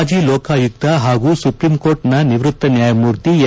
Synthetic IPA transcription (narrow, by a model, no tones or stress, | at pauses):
d͡ʒiːlɔːkaːjuk̚t̪ɐɦaːɡuːsupɾimkoːɾʈnɐniʋɾut̪ːɐnjaːjɐmuːɾt̪ij